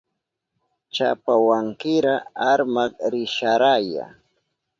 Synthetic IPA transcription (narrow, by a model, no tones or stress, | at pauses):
t͡ʃa̰pawaŋkɪɾaaɾmaɾɪʃaɾaja̰